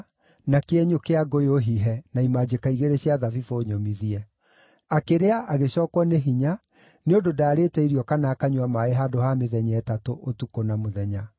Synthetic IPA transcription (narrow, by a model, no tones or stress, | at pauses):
nakeɛɲokeaɡooɦiɦɛnaimad͡ʑekaiɣeɾeɕiaðavifooɲomiðiɛ | akeɾeaʔaɣeɕɔːkwɔneɦiɲa | neondodaːɾeːtɛiɾiɔkanaːkaɲwamaeɦadohameðɛɲɛːtatoʔotukonamoðɛɲa